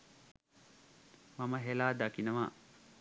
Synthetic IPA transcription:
maməɦelaːd̪akinəʋa̰ː

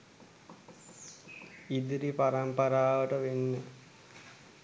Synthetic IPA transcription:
id̪iɾipaɾampaɾaːʋəʈəʋenːə

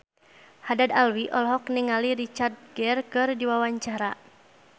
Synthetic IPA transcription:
hadad̪alwiʔɔlɦɔk̚niŋaliɾit͡ʃard̪̚ɡɛrkɨrdiwawaɲt͡ʃaɾa

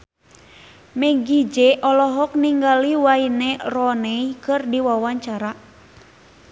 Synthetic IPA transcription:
mɛɡid͡ʒɛʔɔlɔɦɔk̚niŋɡaliwainɛrɔnɛikɨrdiwawaɲt͡ʃaɾa

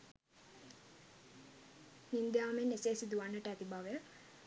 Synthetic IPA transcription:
hind̪jaːmenːeseːsid̪uʋanːəʈəæt̪ibʱaʋəjə

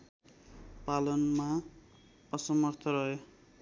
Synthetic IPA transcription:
palʌnma | ʌsʌmʌrt̪ʰʌɾʌɦo

